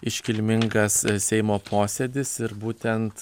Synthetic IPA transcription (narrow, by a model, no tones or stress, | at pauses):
ɪʃʲkʲɪlʲmʲɪŋɡɐssʲɛɪmoːpʰoːsʲed̪ʲɪsɪɾbuːt̪ʲɛnt̪